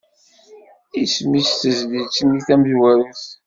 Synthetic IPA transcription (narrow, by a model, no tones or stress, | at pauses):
ismisθəzlit͡sːəniθæmðwæɾuθ